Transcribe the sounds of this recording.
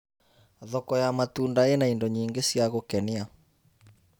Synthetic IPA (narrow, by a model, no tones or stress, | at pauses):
ðɔkɔjamatuːndaenaindɔɲiːŋɡesjaɣokɛnia